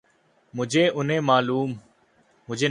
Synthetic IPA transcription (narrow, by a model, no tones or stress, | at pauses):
mʊd͡ʒʱeːʔʊnẽːmaːluːmː | ʊd͡ʒʱeː